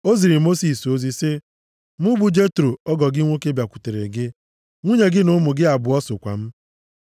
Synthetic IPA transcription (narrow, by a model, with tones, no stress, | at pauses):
o˦zi˨ɾi˨mo˦si˨so˦zi˦sɪ˦ | mʊ˦bu˨d͡ʒe˦tɾo˨ɔ˦ɡɔ˨ɡɪ˦ŋʷo˦ke˦bja˨kʷu̥˨te˨ɾḛ˨ɡɪ˦ | ŋʷu˦ɲe˨ɡɪ˦nʊ˦mʊ˨ɡɪ˦a˨bʊ˨ɔ˦sʊ˨kʷa̰˨m̩˦